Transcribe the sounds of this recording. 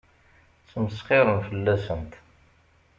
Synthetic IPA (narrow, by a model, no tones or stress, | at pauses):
t͡səməsqɪɾəmfəlːæsənt̪